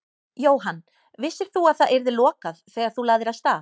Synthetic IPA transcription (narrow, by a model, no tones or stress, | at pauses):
joːwɦanː | vɪsːɪɾ̥θuaðθaðʔɛɾðɪlɔːkaðθɛːɣaɾ̥θulaːɣðɪɾaðst̪aː